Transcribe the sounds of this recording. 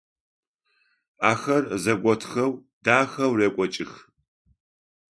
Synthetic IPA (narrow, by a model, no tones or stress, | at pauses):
aːxɐrzɐɡʷɔtʰxɐwd̥aːxɐwreːkʷʼɔt͡ʃʼɪx